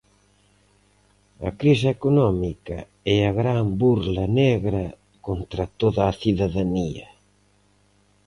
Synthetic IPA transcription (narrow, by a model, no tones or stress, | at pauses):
ɐ̰kɾisekunɔmikɐ̰ | ɛaɣɾambuɾlɐneɣɾɐ | kont̪ɾɐt̪oðaːθiðaðaniɐ